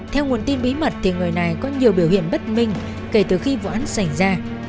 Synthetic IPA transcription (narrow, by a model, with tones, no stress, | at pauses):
t̪ʰɛ˧wŋu˨˩ənt̪i˧nɓi˨˦mə˨˩t̚t̪ʰi˨˩ŋɨ˨˩əjna˨˩jkɔ˨˦ɲi˨˩əwɓi˧˩əwhḭ˧˨əŋɓə˦˥t̚mï˧ŋ̟ | ke˧˩t̪ɨ˨˩xi˧vṵ˧˨ʔa˨˦nsa˧˩jzaː˧